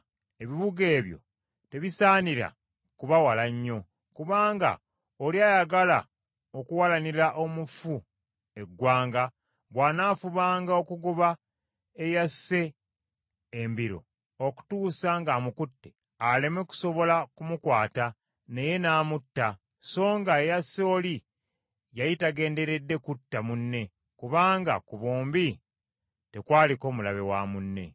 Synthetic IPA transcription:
eβiβuɡe̞ːβjo̞̰ | te̞βisaːniɾa̰ | kuβawalaɲːo̞ | kuβaːŋɡa̰ | oliajaɡala̰ | okuwalaniɾaʔo̞mufu | e̞ɡwaːŋɡa | βwaːnaːfuβaːŋɡao̞kuɡoβa | e̞jase̞ | mbiɾo̞̰ | oku̥tuːsaŋɡamukutːe | ale̞me̞ku̥so̞βo̞lakumukwaːta | neje̞naːmutːa | so̞ːŋɡaejasːoːli | jajitaɡe̞ːnde̞ɾe̞dːe̞kutːamunːe̞ | kuβaːŋɡa̰kuβoːmbi | te̞kwaːliko̞ːmulaβewaːmunːe̞̰

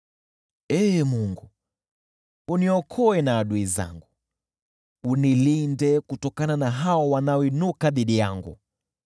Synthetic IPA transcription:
ɛmuŋɡu | uniɔkʰɔɛnaːɗuiza̰ŋɡu | unilindɛkutɔkananaɦaɔwanaɔinukaðiɗijaŋɡṵ

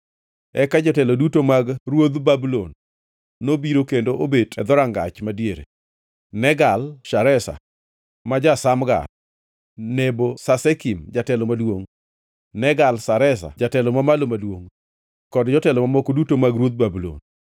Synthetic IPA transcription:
ɛkad͡ʒɔtɛlɔdutomaɡrwod̪babulonː | obiɾokendoʔobedɛd̪ɔɾaŋɡat͡ʃmadjeɾḛ | nɛɡalʃaɾɛsa̰ | mad͡ʒasamɡa̰ | nebosasɛkimd͡ʒatɛlɔmadwoŋ | nɛɡalsaɾɛs̬a̰d͡ʒatɛlɔmamalomadwoŋ | kɔdd͡ʒɔtɛlɔmamɔkodutomaɡɾwod̪̚babulo̰n

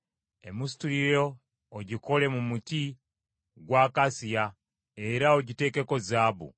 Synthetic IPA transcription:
e̞̰mustulijoː | ɟiko̞le̞mumuti | ɡwaːkasija | e̞ɾao̞ɟite̞ke̞ko̞zaːbṵ

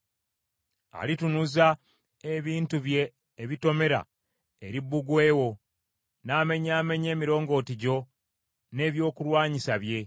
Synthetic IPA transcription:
a̰litunuza | e̞βiːntuβje̞ː | βito̞me̞ɾa̰ | eɾibːuɡwe̞ːwo̞ | naːme̞ɲaːme̞ɲe̞ːmiɾo̞ːŋɡo̞ːtiɟo̞ | ne̞ːβjo̞ːkuɾwaːɲisaβje̞

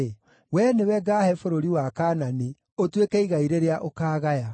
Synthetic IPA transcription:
wɛnewɛɡaːhɛfoɾoɾiwakanane | otwekɛiɣaiɾeɾeaʔokaːɣaja

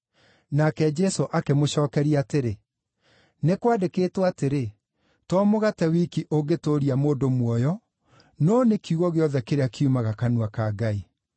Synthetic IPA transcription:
nakɛd͡ʒɛsoʔakemoɕɔːkɛɾiateɾe | nekwadekeːtwateɾe | tɔmoɣatɛwikiʔoɡetoɾiamoːndomwɔjɔ | nɔːnekiuɣɔɣeɔðɛkeɾeakʰeumaɣakanuakaːɡai

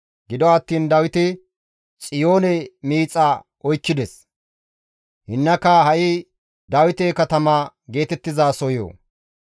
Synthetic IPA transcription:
ɡɪd̪ɔɐt̪ːiːnd̪ɐwɪt̪ɪ | t͡sʼɪjo̞ːnɛmiːt͡sʼːɐ | ʔɔjkːɪd̪ɛs | hɪnːɐkːɐɦɐʔɪ | d̪ɐwɪt̪eːkɐt̪ɐmaːɡe̞ːt̪ɛt̪ːɪzaːsɔjo̰ː

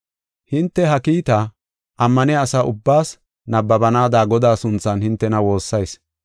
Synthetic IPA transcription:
hɪnt̪ːɛɦɐkiːt̪ɐ | ʔɐmːɐnɪaːsɐʔʊbːaːs | nɐbːɐbɐnaːd̪aːɡɔd̪aːsʊnt͡sːɐnhɪnt̪ːɛnɐwo̞ːsːɐjs

